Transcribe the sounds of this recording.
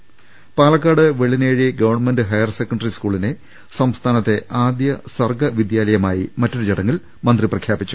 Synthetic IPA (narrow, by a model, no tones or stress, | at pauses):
paːlɐkːaːɽɨʋeɭineːɻiɡɐʋɐrnme̞ndɨɦɐjɐrsekːɐɳɖɐriskuːɭine | sɐmst̪ʰaːnɐt̪ːe̞ʔaːd̪jɐsɐrɡɐʋid̪jaːlɐjɐmaːjimɐtːoɽud͡ʑeɽɐŋːɐl | mɐnd̪riprɐkʰjaːbit͡ɕːu̥